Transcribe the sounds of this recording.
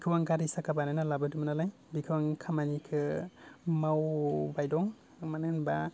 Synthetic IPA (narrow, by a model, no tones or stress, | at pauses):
bkʰɯwaŋɡaɾisakʰabananalabɯdumnalaj | bikʰɯwaŋkʰamanikʰɯ | mawbajdɔŋ | manɯnba